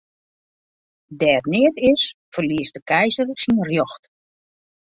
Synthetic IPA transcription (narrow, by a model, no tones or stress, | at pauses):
dɛːrnɪətɪs | fərliəsdəkʰɛjzərsinrjɔxt